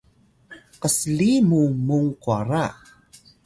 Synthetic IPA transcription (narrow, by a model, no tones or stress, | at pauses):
qəslimumuŋkuaɾa